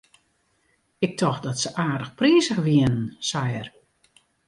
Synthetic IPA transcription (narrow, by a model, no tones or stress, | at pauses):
ɪk̚tʰɔxdɔtsəʔaːrdəxpriːsəxʋiənən̩sajər